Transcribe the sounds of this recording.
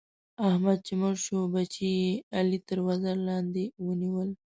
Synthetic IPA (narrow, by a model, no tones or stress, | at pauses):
ahmad̪̚t͡ʃɪmaɾʃobat͡ʃijealit̪əɾwazaɾlɑːnd̪ewəniwəl